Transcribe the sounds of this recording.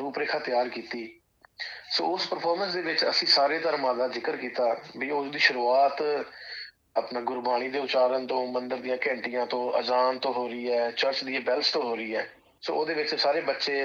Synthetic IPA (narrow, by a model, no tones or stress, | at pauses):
ɾuːpɾeːkʰaːt̪ɪjaːɾkiːt̪iː | so̰ːʊspəɾpʰɔːɾmə̃nsd̪eːʋɪt͡ʃə̰sĩːsaːɾeːt̪əɾmãːd̪aːzɪkəɾkiːt̪aːbiːʊsd̪iːʃʊɾuːaːt̪ | əpnãːɡʊɾbaːɽ̃iːd̪eːʊt͡ʃaːɾənt̪õːmənd̪əɾd̪ɪjãːkɛ̃ːɳʈijãːt̪õːʔə̰d͡ʒaːnt̪õːɦoːɾəiːɛːt͡ʃəɾt͡ʃd̪iːbɛlst̪õːɦoːɾəiːɛː | so̰ːoːd̪eːʋɪt͡ʃsaːɾeːbətːʃeː